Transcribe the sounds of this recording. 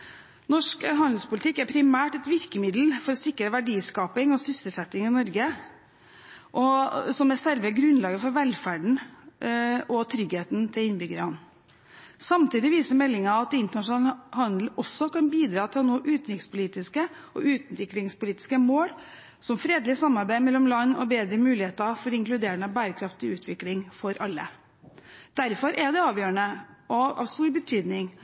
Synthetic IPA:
nɔʂkɦɑnd̪lspʊlɪt̪ɪkːæɾpʰɾɪmæːʈɛt̪ʋɪɾkəmɪd̪l̩fɔɾɔsɪkːɾəʋæɖiːskɑːpɪŋɔsʏsəlsɛt̪ːɪŋɪnɔɾɡə | ʔɔsɔmɛsɛɾʋəɡɾʉnlɑːɡəfɔɾʋɛlfæːɖɳ̩ | ʔɔt̪ʰɾʏɡheːt̪nt̪ʰɪlɪnbʏɡəɾəhɑn | sɑmt̪iːd̪ɪʋiːsəmɛlːɪŋɑɑt̪ɪnt̪ənɑʂnɑːlhɑnd̪l̩ɔsːɔkɑnbiːd̪ɾɑːt̪ʰnuːʔʉːt̪ɾɪkspʊliːt̪ɪskə | ʔɔ̰ʉːt̪n̩t̪ʋɪkːlɪŋspʊliːt̪ɪ̥skəmoːl | sɔmfɾeːd̪lɪsɑmːɑɾbæɪmɛlːɔmlɑnːɔbeːd̪ɾəmʉːlɪheːt̪əfɔɾɪŋklʉd̪eːɾənɑbæːɾəkʰɾɑft̪ɪʉːt̪ʰʋɪklɪŋfɔɾʔɑlːə̰ | d̪̥æɾfɔɾʔɛd̪ɛɑːʋjøːəɳəʔɔɑ̰ʋst̪uːɾbət̪ʰyːd̪nɪŋ

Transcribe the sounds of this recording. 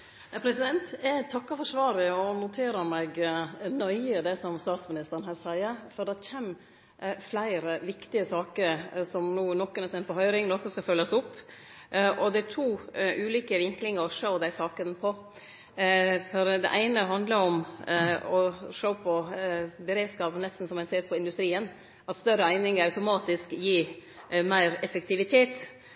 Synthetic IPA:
pʰɾɛsɪd̪ɛnt̪t̪ʰɑkːɑfɔʂʋɑːɾəɔnʊt̪ʰeːɾəɾmɛɡnœʏəd̪ɛsɔmst̪ɑːt̪smɪnɪst̪əɾənhæːɾsæɪəɾfɔd̪ɛɾçʰɛm | flæɪɾəʋɪkt̪ɪəsɑːkəɾsɔmnuːnɔkːənɛsɛnt̪̚pʰɔɦœʏɾɪŋnɔkːɔskɑlfœljɑsʊpː | ʔɔd̪ɛæʈʰuːʉːliːkəʋɪŋklɪŋəɾɔʂəʊd̪æɪsɑːkənpʰɔ | fɔɾd̪ɛ̰ʔæɪnəɦɑnd̪ləɾɔm | ɔʂəːpʰɔbəɾeːd̪skɑːpənɛst̪n̩sɔmɛnseːɾpʰɔɪnd̪ʉst̪ɾiːən | ɑt̪st̪œɾəæɪnɪŋəɾɑʉt̪ʊmɑːt̪ɪskjiː | mæɪɾɛfək̚t̪ʰɪʋɪt̪ʰeːt̪

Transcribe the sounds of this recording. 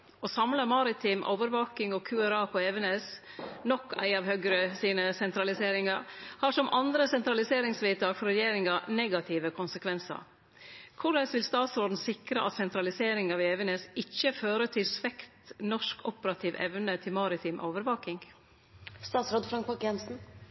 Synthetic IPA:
ɔːsɑmləmɑɾɪt̪ʰiːmʔo̰ːʋəɾʋɑːkɪŋɔkʰʉːæɾɑːpʰɔeːʋənɛs | nɔkːæ̰ɪɑʋhøɡɾəsiːnəsɛnt̪ɾɑlɪseːɾɪŋɑɾhɑʂɔmʔɑnd̪ɾəsɛnt̪ɾɑlɪseːɾɪŋsʋiːt̪ɑːɡfɔɾɛjeːɾɪŋɑnɛːɡɑt̪ʰiːʋəkʰʊnsəkʰʋɛnsə̰ɾ | kʰʊɖɛsʋɪlst̪ɑːt̪sɾoːd̪n̩sɪkɾəʔɑ̰t̪sɛnt̪ɾɑlɪseːɾɪŋɑʋeːʋənesɪçːəføːɾət̪ʰɪlsʋɛkt̪nɔʂkɔpəɾɑt̪ʰiːʋʔɛ̰ʋnət̪ʰɪlmɑːɾɪt̪ʰiːmʔo̰ːʋəɾʋɑːkɪŋ | st̪ɑːt̪sɾoːd̪fɾɑŋkpɔkɛnsn̩

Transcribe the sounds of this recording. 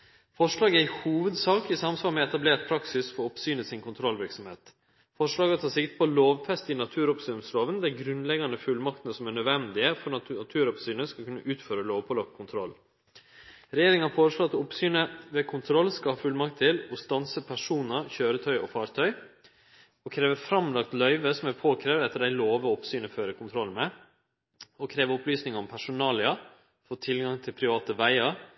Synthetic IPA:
fɔʂlɑːɡæɪhuːʋəd̪sɑːkɪsɑmsʋɑːɾmɛɛt̪ɑbleːt̪̚pʰɾɑksɪsfɔɾɔpsyːnəsɪnkʰʊnt̪ʰɾɔlʋɪɾksɔmheːt̪ | fɔʂɭɑːɡəɔt̪ʰɑːsɪkt̪̚pʰɔloːʋfɛst̪ɪnɑt̪ʰʉːɾɔpsʉmsloːʋənd̪æɪɡɾʉnlɛɡɑnd̪əfʉlmɑkt̪ənəsɔmænœʋɛnd̪ɪəfɔɾɑt̪ʰʉːɾɔpsyːnəskɑlkʉnːəʔʉːt̪føːɾəloːʋpʰɔlɑkkʰʊnt̪ʰɾɔlː | ɾɛjeːɾɪŋɑfoːɾəʂɭoːɑt̪ɔpsyːnəʋeːkʰʊnt̪ʰɾɔlskɑlhɑːfʉlmɑkt̪ʰːɪlɔst̪ɑnsəpʰæʂuːnəɾçøːɾət̪ʰœʏʔɔfɑːɾt̪ʰœʏ | ɔkʰɾeːʋəfɾɑmlɑkt̪lœʏʋəsɔmɛpʰoːkʰɾeːʋ̪ɛt̪ːəɖæɪloːʋəɔpsyːnəføːɾəkʊnt̪ʰɾɔlːmɛ | ɔkʰɾeːʋəɔplyːsnɪŋəɔmpʰæʂʊnɑːlɪɑ | foːt̪ʰɪlɡɑŋt̪ʰɪlpʰɾɪʋɑːt̪əʋæɪɑɾ

